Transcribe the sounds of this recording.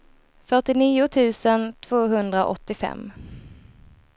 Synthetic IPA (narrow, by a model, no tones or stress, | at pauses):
fœʈɪniːʊt̪ʰʉ̟ːsənt̪ʰv̥oːɦɵnd̪ɾaʔɔt̪ːɪfɛ̰mː